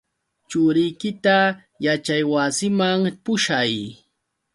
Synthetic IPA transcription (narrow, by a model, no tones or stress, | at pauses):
t͡ʃʊɾɪjkɪt̪a | jat͡ʃajwasɪmaŋpʊʃaj